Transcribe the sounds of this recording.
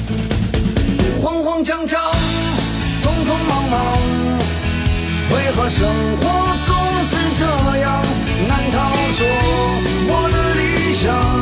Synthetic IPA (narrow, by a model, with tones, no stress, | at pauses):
xwɑ˥ŋxwɑ˥ŋt͡ɕʰjɑ˥ŋt͡ɕʰɑ˥ | t͡sʊ˥ŋfʰʊ˥ŋmɑ˧˥ŋmɑ˧˥ŋ | we˥˧˩ɪxɤ˧˥ʂə˥ŋxwɔ˧˩ | t͡sʊ˥ŋʂɻ̩˥˧ʈ͡ʂə˥˩mə˩jɑ˥˧ŋ | na˧˥nt̪ʰɑ˥˧ʊʂwɔ˧˥ | wɔ˨˩d̪ə˧li˥˩ | ɕjɑ˨˧˩ŋ